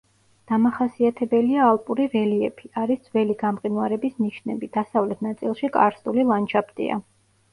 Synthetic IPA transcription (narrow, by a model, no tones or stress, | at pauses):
d̪̥amaχasiat̪ʰɛbɛliaːlˠpʼuɾivɛliɛpʰiaɾisd̪z̥vɛliɡamqʼinwaɾɛbisniʃnɛ̰bid̪̥asavlɛt̪ʰnat̪sʼḭlˠʃikʼa̰ɾsulilˠant͡ʃʰapt̪ʼḭa̰